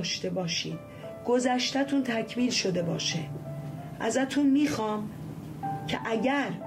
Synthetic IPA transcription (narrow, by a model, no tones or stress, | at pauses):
ʃt̪e̞bɒːʃiːd̪̥ | ɡ̥ozæʃt̪æt̪ʰunt̪ʰæcʰmiːlʃo̞d̪e̞bɒːʃe | ʔæzæt̪ʰunmiːxɒːm | cʰḛʔæɟæɾ